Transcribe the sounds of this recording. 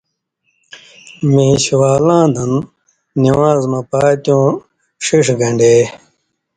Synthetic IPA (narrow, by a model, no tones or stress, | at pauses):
mẽːɕwaːlãːd̪ɐnː | iwaːzmɐpaːt̪jõː | ʂiʂɡɐ̃ɳɖeː